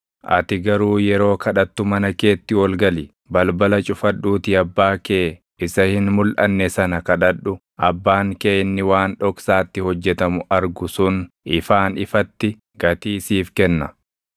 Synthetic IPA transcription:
ʔɐ̰t̪ɪɡɐɾuːjɛɾo̞ːkʰɐᶑɐt̪ːʊmɐnɐke̞ːt̪ːɪwɔlɡɐlɪ | bɐlbɐlɐt͡ʃʼʊfɐᶑːuːt̪ɪɐbːaːkeː | ɪsɐhɪnmʊlʔɐnːɛsɐnɐkɐᶑɐᶑʊ | ʔɐbːaːŋkeːjnːɪwaːnᶑɔksaːt̪ːɪhɔd͡ʒːɛt̪ɐmʊʔɐɾɡʊsʊn | ʔɪfaːnɪfɐt̪ːɪ | ɡ̥ɐt̪iːsiːfkɛnːɐ̰

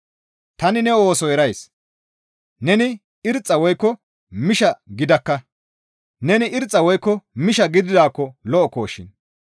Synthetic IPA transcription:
t̪ɐnɪnɛo̞ːsɔɛɾɐjs | nɛnɪ | ɪɾt͡sʼːɐwɔjkːɔ | mɪʃɐɡɪd̪ɐkːɐ | nɛnɪʔɪɾt͡sʼːɐwɔjkːɔmɪʃɐɡɪd̪ɪd̪aːkːɔlɔʔɔko̞ːʃːɪn

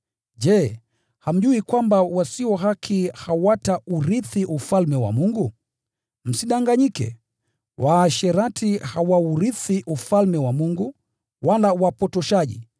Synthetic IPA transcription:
d͡ʒɛ | ham̩ʄuikwambawasiwɔɦakʰihawatauɾiθiʔufalmɛwa̰muŋɡu | m̩siɗaŋɡaɲikɛ̰ | wʔaːʃɛɾatʰihawauɾiθiʔufalmɛwamuŋɡu | walawapɔtɔʃaʄḭ

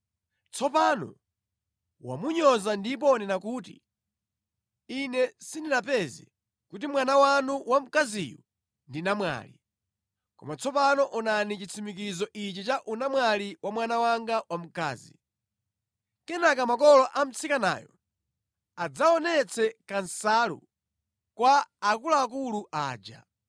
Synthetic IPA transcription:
t͡sʰɔpanɔ̰ | wa̰muɲɔzandip̬ɔnɛnakuːtḭ | inɛsininapɛzɛ̰ | kut̬imwanawanuwam̩kazḭju | ndinamwa̰ːlḭ | kɔ̰mat͡sʰɔpanɔʔɔnanit͡ʃit͡sʰimik̬izɔʔit͡ʃɛt͡ʃaʔunamwaliwʔamwanawaŋɡawam̩ka̰ːzḭ | kɛnakamakɔlɔʔam̩t͡sikana̰ːjɔ̰ | ad͡zaɔnɛt͡sʰɛkansalṵ | kwaːkulaːkuluʔaːd͡ʒa̰

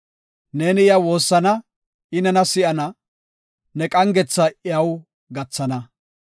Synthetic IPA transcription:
ne̞ːnɪjɐwo̞ːsːɐnɐ | ɪnɐnɐsɪʔɐnɐ | nɛkʼɐŋɡɛt͡sːɐʔɪɐw | ɡɐt͡sːɐnɐ

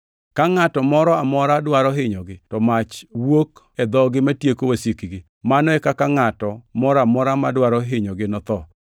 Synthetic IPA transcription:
kaŋatɔmɔɾɔamɔɾadwaɾɔɦɪɲɔɡɪtɔmat͡ʃwok | ɛd̪ɔɡɪmatjekowasikiɡɪ | manɔɛkakaŋatɔmɔɾɔamɔɾamadwaɾɔɦɪɲɔɡɪnɔt̪ɔ

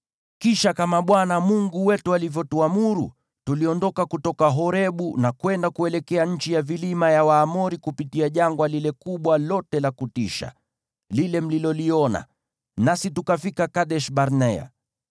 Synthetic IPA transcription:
kiʃakamaɓwanamuŋɡuwɛtualivjɔtuamuɾṵ | tuliɔndɔkakutɔkaɦɔɾɛɓunakwɛndakuɛlɛkɛaɲ̩t͡ʃijavilimajawaːmɔɾikupitiaʄaŋɡwalilɛkuɓwalɔtɛlakutiʃa̰ | lilɛm̩lilɔliɔna̰ | nasitukafikakaɗɛʃɓaɾnɛa̰

